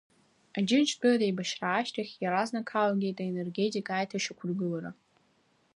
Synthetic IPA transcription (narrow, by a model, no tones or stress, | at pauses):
ad͡ʒɪnt͡ʃʰɡɨladejbaʃraːʃtʰaxʲjaɾaznakʰalɡʲejtʼaene̞rɡetʼikʼaːjtʰaʃakʷʰʊrɡɨlara